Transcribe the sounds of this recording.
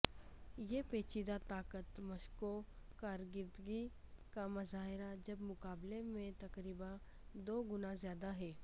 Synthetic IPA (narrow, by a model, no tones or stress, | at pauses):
jeːpeːt͡ʃiːd̪at̪aːkət̪mɐʃkokaːɾɡɪɾd̪ɡikamɐzaːɦɪɾad͡ʒɐbmʊkaːblemẽt̪ɐkɾiːba | d̪oːɡʊnazjaːd̪aɦɛː